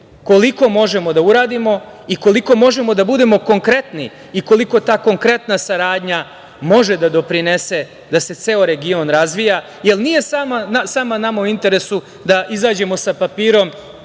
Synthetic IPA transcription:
ko̞liko̞mo̞ʒe̞mo̞d̪auɾaːd̪imo̞ | iko̞liko̞mo̞ʒe̞mo̞d̪abud̪e̞mo̞ko̞ŋkɾe̞t̪ni | iko̞liko̞t̪aːko̞ŋkɾe̞t̪nasaɾaːd̪ɲa | mo̞ʒe̞d̪ad̪o̞pɾinese̞ | d̪ase̞t̪seoɾe̞ɡio̞nɾazʋija | je̞lnije̞samanasaːmanamauint̪e̞ɾe̞su | d̪aʔizaːd͡ʑe̞mo̞sapapiːɾo̞m

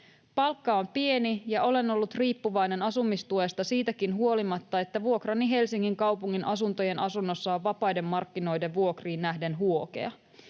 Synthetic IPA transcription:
pɑlkːɑo̞mpie̞nijɑʔo̞le̞no̞lːut̪riːpːuʋɑjne̞nɑsumːist̪uest̪ɑsiːt̪ækinɦuo̞limɑt̪ːɑe̞t̪ːæʋuo̞krɑniɦe̞lsiŋːiŋkɑwpuŋːinʔɑsunt̪o̞je̞nʔɑsunːo̞sːɑoʋːɑpɑjde̞mːɑrkːino̞jde̞ʋʋuo̞kriːnːæhde̞nɦuo̞ke̞̰ɑ

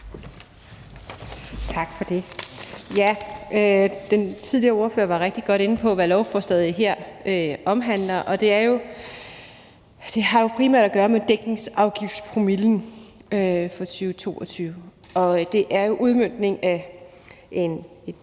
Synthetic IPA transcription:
t͡sʰɑ̈ɡ̥fɒ̽d̥e̝jæød̥ent͡sʰiðˠliɐo̝ːɐføɐʋɑ̈ʁeɡ̥̚d̥iɡ̥ɒ̽ɾ̥e̝nn̩pʰɒ̽ʋælɒʊfɒ̽sd̥ɛðˠiɦeɐ̰øɒ̽mɦæn̰lɐʔɒ̽d̥e̝æɐjo̝ | d̥e̝ɦɑ̈jo̝pʰʁiːmæ̰ɐ̰dæɡ̥ɶːɐmed̥eɡ̥ne̝ŋsɑ̈ʊɡ̥ifdspʰʁomiln̩øfɒ̽t͡sʰyːʊət͡sʰo̝̰ːɒt͡sʰyːʊə | ɒ̽d̥e̝ʔæɐjo̝ʔuð̞ˠmøn̰d̥ne̝ŋæ | ʔen

